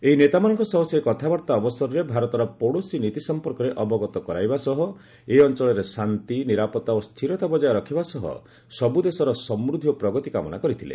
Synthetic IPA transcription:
eɦinet̪amanɔŋkɔsɔɦɔsekɔt̪ʰabɔɾt̪aɔbɔsɔɾɔɾebʱaɾɔt̪ɔɾɔpoɽosinit̪isɔmpɔɾkɔɾeʔɔbɔɡɔt̪ɔkɔɾajbasɔɦɔ | eɔnt͡ʃɔɭɔɾesant̪iniɾapɔt̪aost̪ʰiɾɔt̪abɔd͡ʒajɔɾɔkʰibasɔɦɔ̰ | sɔbud̪esɔɾɔsɔmɾud̪ʱijɔpɾɔɡɔt̪ikamɔna̰kɔɾit̪ʰilḛ

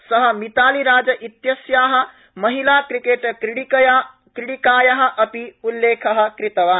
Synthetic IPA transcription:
sɐɦɐ̆mit̪aːliɾaːd͡ʒɐʔit̪jɐsjaːɦɐ̆ | mɐɦilaːkɾikeːʈɽj | kɾɪɽikaːjɐɦɐ̆ʔɐpiulːeːkʰɐɦɐ̆kɾɪt̪ɐʋaːn

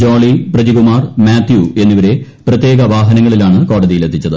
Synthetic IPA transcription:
d͡ʑoːɭiprɐðiɡumaːrmaːt̪jue̞nːiʋɐɾe̞ | prɐt̪je̞ːɡɐʋaːɦɐnɐŋːɐɭilaːɳɨko̞ːɽɐðijilet̪ʰːit͡ɕːɐðɨ

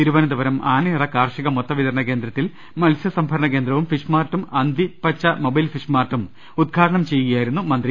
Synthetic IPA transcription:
t̪iɾuʋɐnɐd̪ɐʋɐɾɐmʔaːnɐɐrɐkaːrʂiɣɐmot̪ːɐʋiðɐɾɐɳɐke̞ːnd̪ɾɐt̪ːil | mɐlsjɐsɐmbʱɐɾɐɳɐke̞ːnd̪ɾɐʋumfiʂmaːrʈːumɐnd̪ipɐt͡ɕːɐmobɐjlfiʂmaːrʈːum | ud̪̚ɡʰʱaːɾɐɳɐmt͡ɕe̞jːuɣɐjaːjiɾunːumɐnd̪ɾi

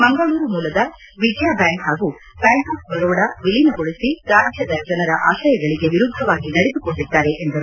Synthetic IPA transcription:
mɐŋɡɐɭuːɾumuːlɐd̪ɐ | ʋid͡ʒjaːbjaːŋkɦaːɡu | baːŋkɐsbɐɡɐʋɐɽɐʋiɭinuɡoɭisit̪aːɾɐʃɐd̪ɐd͡ʒɐnɐɾɐʔaːʃɐjɐɡɐɭiɡe̞ʋiɾud̪ʱːɐʋaːɡinɐɽed̪ukoɳɖid̪ːaːɾe̞ʔend̪ɐɾu

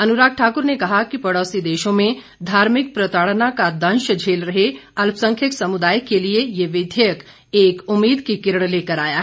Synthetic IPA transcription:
ɐnuɾaːk̚ʈʰaːkʊɾnekɐɦakipɐɽɔːsid̪eːʃõmẽ | d̪ʱaːɾmɪk̚pɾɐt̪aːɭnakad̪ɐ̃nʃəd͡ʒʱeːlɾɐɦeɐlpʰsə̃ŋkʰjəksɐmud̪aːjkeliejeʋɪd̪ʱək | eːkʊmːiːd̪kikɪɾəɳ̃leːkəɾaːjaɦɛ

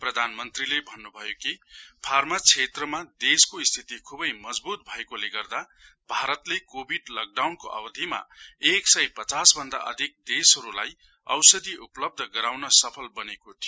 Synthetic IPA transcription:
prʌd̪ʱanmʌnt̪rilebʱʌnːubʱʌjokipʰarmat͡sʰet̪rʌmad̪eskoist̪ʰit̪ikʰubʌjmʌd͡zbut̪̚bʱʌekoleɡʌrd̪a | bʱaɾʌt̪lekobʱiɖlʌk̚ɖawnkoʔa̰bʌd̪ʱima̰eksʌjpʌt͡sasbʱʌnd̪a̰ʔʌ̰d̪ʱik̚d̪esɦʌɾula̰j | ʌ̰wsʌd̪ʱiʔuplʌb̚d̪ʱʌɡʌɾawnʌsʌpʰʌlbʌnekot̪ʰi

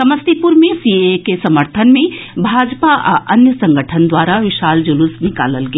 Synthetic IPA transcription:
sɐməst̪ipʊɾmẽsiekesɐməɾt̪ʰənmẽbʱaːd͡ʒpaʔʔɐnjəsɐ̃ŋɡəʈʰənd̪waːɾaʋɪʃaːld͡ʒʊlʊsnɪka̰ːləlɡɐ

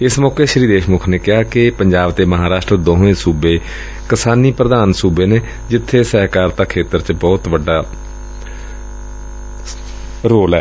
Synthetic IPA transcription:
ɪsmɔːkeːʃɾiːd̪eːʃmʊkʰneːkɪɦaːkɪpəɲd͡ʒaːbt̪eːməɦaːɾaːʃʈɾəd̪oːɦẽːsuːbeː | kɪsaːniːpɾəd̪aːnsuːbeːneː | d͡ʒɪt̪ʰːeːsəɦkaːɾt̪aːkʰeːt̪əɾt͡ʃəbɔːt̪ʋəɖːaː | ɾoːlɛː

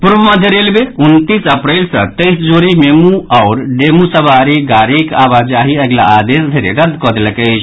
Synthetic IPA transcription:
puɾbəməd̪ʱjəɾelbeunt̪isəpɾəlsə̰̃t̪əjsd͡ʒoɾimemuaʊɾɖemusəbaɾiɡaɾikabad͡ʒaɦiəɡla̰ad̪esd̪ʱeɾḛɾəd̪ʱkɔd̪eləkəɪt͡ʃʰ

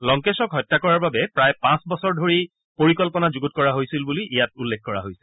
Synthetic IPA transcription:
lɔŋkesɔkɦɔjtːakɔɹaɹbabɛpɹajpãsbɔsɔɹdʱoɹi | poɹikɔlpɔnazuɡut̚kɔɹaɦojsilbuliʔijat̚ulːek̚ʰkɔɹa̰ɦojsɛ̥

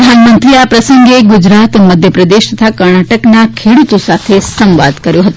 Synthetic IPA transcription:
əd̪ʱanmənt̪ɾiapɾəsəŋɡeɡud͡ʒɾat̪məd̪ʱjəpɾəd̪eʃt̪ət̪ʰakəɾɳaʈəknakʰeɽut̪osat̪ʰesə̃mʋa̰d̪kəɾjõɦət̪u

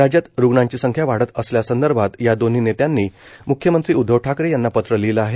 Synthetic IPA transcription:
ɾad͡ʑjat̪ɾuɡɳãɲt͡ɕiːsəŋkʰjaʋaɽ̤ət̪əsljasənd̪əɾbʱat̪jad̪on̤iːnet̪janːiː | mukʰjəmənt̪ɾiːud̪ʱːəʋʈʰakɾejanːapət̪ɾəliləaɦe

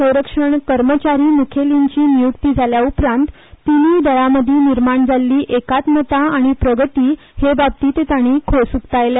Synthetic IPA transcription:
sə̃w̃ɾəkʂəɳkəɾmət͡ɕaɾiːmukʰeliɲt͡ɕiːnijukt̪iːd͡zʱaljaupɾãnt̪ː | inid̪əjaməd̪ʱiːniɾmaɳd͡zʱalːiːʔekat̪mət̪aaɽ̃ipɾəɡət̪iː | hebab̚t̪iːt̪et̪aɽ̃iːkʰosukt̪ajle

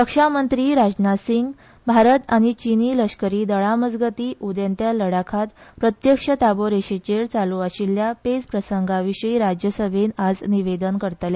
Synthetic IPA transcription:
kəkʂamənt̪ɾiːɾad͡ʑnasiŋɡ | bʱaɾət̪aɽ̃it͡ɕiniləʂkəɾiːd̪əɭaməd͡zɡət̪iːʔud̪jent̪jaləɽakʰat̪pɾət̪jəkʂət̪aboɾeɕet͡ɕeɾt͡saluaɕiljaped͡zpɾəsəŋɡaʋiɕəiɾad͡ʑjəsəʋʱenad͡zniʋed̪ənkəɾt̪lja

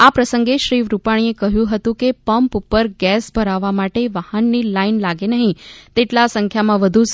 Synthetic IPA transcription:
apɾəsəŋɡeʃɾiʋɾupaɽ̃iekəɦjũɦət̪ũkepəmpupəɾɡɛsbʱəɾaʋːamaʈeʋahənːilainlaɡenəɦĩt̪eʈlasə̃ŋkʰjamãʋəd̪ʱu

